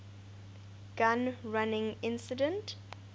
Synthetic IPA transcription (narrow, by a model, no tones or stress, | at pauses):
ɡ̥ãnɹanɪ̃ŋɪ̃nsidɛ̃nt